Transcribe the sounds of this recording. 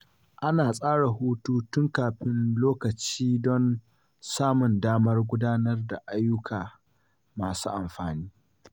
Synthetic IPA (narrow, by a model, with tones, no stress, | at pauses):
ʔa˦naː˨sʼaː˦ɽa˨ɦuː˦tuː˦tʊ˦ŋkaː˨ɸɪ˦nloː˦kɐ˨t͡ʃiː˦dɔ˦n | saː˦mʊ˨ndaː˦mɐ˦rɡʷʊ˦daː˦nɐ˦rda˨ʔa˦jːʊ˦kʰaː˨ | maː˨suː˦ʔa˨mɸaː˨niː˦